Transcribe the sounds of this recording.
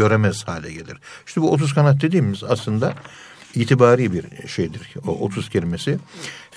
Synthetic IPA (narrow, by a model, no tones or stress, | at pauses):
ø̞ɾemɛz̥haːlʲɛɟe̞lʲḭɾ̥ʃiʃɛbuot̪ʰuzkʰanat̪̚d̪e̞d̪iːmizaslˠɯnd̪a | iːt̪ʰibaːɾiːbiɾʃejd̪iɾo̰ʔo̰t̪ʰuscʰelʲime̞si